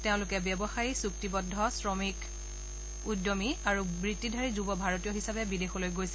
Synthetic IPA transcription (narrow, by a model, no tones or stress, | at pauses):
teʊ̃lʊkɛbjɔbɔxajisuk̚tibɔdʱːɔsɹɔmik | udjɔmiaɹubɹitːidʱaɹizubɔbʱaɹotijɔɦisabɛbidexɔlojɡojsɛ